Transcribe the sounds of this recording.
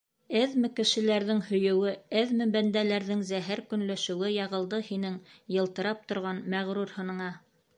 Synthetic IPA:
ɘðmɘ̆kɘ̆ʃɘ̆læɾðɘŋhɵ̆jɵ̆wɘɘðmɘ̆bænd̪ælæɾðɘŋzæɦæɾkɵ̆nlæʃɘ̆wɘjɑʁɤ̆lˠd̪ɤhinɘŋjɤ̆lˠt̪ɤ̆ɾɑp̚t̪ŏɾʁɑnmæʁɾuɾhɤ̆nɤ̆ɴɑ

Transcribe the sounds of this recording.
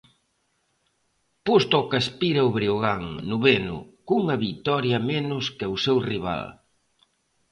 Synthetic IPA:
pust̪okɐspiɾɐuβɾioɣaŋnʊβenʊ̰kuŋɐβit̪ɔɾjɐmenʊskɪawsewriβ̞a̰l

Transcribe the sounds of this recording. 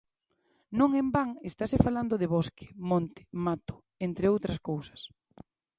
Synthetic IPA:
nõŋembaŋest̪asɪfaland̪ʊðɪβoske̥mõnt̪ɪ̥mat̪o̥ | ent̪ɾeowt̪ɾɐskowsɐ̥s

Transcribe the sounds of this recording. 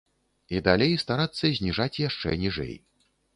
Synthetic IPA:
id̪alʲejst̪aɾat̪sːɐzʲnʲiʐat͡sʲjaʂt͡ʂɛ̰nʲiʐɛ̰j

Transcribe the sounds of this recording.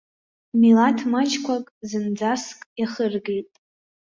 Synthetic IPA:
milatʰmat͡ʃʰkʷʰakʼzɨnd͡zaskʼjaχərɡejtʼ

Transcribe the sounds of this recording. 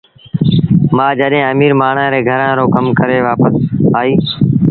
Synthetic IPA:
mãːd͡ʒəɗɦẽːəmiːɾmaːɳ̤ãɾeːɡʱəɾãːɾoːkəmkəɾeːʋaːpəsaːiː

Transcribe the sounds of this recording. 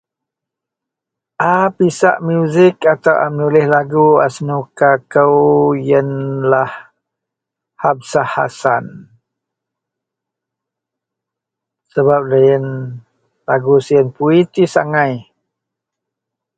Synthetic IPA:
ʔapisa̰ʔmjuzɪkat̪awʔa̰mənulɪhlaɡua̰snukakəwjənlah | hab̚saha̰san | səbap̚dəjən | laɡusiənpuit̪isa̰ŋãj

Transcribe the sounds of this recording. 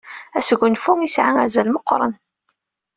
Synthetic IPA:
æsɡʷːʊnfumisʕaŋazælməqːɾˤə̰n

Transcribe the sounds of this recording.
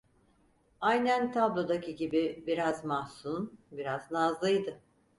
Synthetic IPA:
ajnænt̪ʰablˠo̞d̪acʰiɟibibiɾazmahsunbiɾaznazlˠɯjd̪ɯ

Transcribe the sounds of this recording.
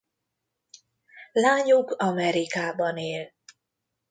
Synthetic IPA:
laːɲukɒmɛɾikaːbɒneːl

